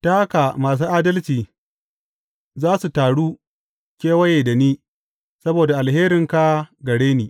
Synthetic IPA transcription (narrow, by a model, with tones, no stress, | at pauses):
ta˦ha˦ka˨maː˨s̬uː˦ʔaː˦dɐ˦lt͡ʃiː˨ | zaː˦su˨taː˨ɽuː˦ | kʲeː˦wɐ˦jeː˨da˨niː˦ | sɐ˦boː˨da˨ʔa˨lɦeː˦ɾɪ˨ŋka˦ɡɐ˨ɽeː˦niː˨